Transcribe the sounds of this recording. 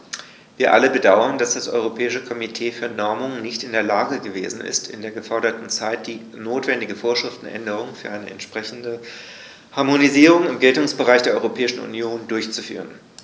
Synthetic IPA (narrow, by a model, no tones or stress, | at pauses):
viːɐʔaləbədaʊɐnd̥asd̥asʔɔ̰ʏʁ̞opʰɛːɪʃəkʰɔmitʰeːfyːɐnɔɐmʊŋnɪçtɪndeːɐlaːɡəɡəvḛːzn̩ɪ̰stɪ̰ndeːɐɡəfɔɐɾɐtn̩t͡saɪt̚d̥iː | noːtv̥ɛndɪɡəfoːɐʃʁ̥ɪftn̩ʔɛ̰ndəʁ̞ʊŋfyːɐʔaɪnəɛ̰ntʃpʁ̥ɛçn̩də | haɐmoniziːʁʊŋɪmɡɛltʊŋsb̥əʁaɪçd̥eɐɔʏʁopʰɛːɪʃn̩ṵnjoːndʊɐçt͡sufy̰ːʁ̞ən